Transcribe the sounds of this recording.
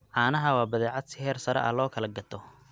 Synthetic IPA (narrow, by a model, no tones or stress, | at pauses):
ʕɑːnɐɦɐwɑːbɐðɛːʕɑd̪sɪhɛːrsɐɾɛ̰ʔɐ̰lɔːkʰɐlɐɡɐt̪ʰɔ